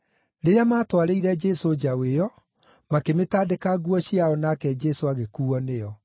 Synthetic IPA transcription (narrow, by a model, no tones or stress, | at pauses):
ɾeɾeamaːtwaɾeiɾɛd͡ʒɛsod͡ʑaweɔ | makemetaːdekaɣwɔɕiaɔnakɛd͡ʒɛsoaɣekuːɔneɔ